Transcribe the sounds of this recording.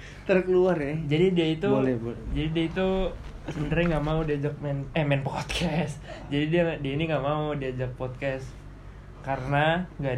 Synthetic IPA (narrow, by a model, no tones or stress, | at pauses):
t̪ərkəluarjad͡ʒadidiait̪ud͡ʒadidiait̪u | sənd̪ɾaŋɡamaudiad͡ʒak̚mɛnɛmɛnpɔt̪̚kʰɛsd͡ʒadidiadiainiŋɡaʔmaudiad͡ʒak̚pɔt̪̚kɛs | kaɾənaŋɡa